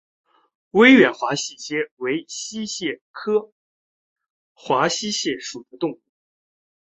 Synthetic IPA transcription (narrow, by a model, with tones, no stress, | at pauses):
we˥ɪɥɛ˨˩nxwa˧˥ɕi˥˩t͡ɕjɛ˥we˧˥ɪɕi˥ɕjɛ˥˩kʰɤ˥ | xwa˧˥ɕi˥ɕjɛ˥˩ʂu˨˩t̪u˧˥t̪ʊ˥˧ŋu˥˩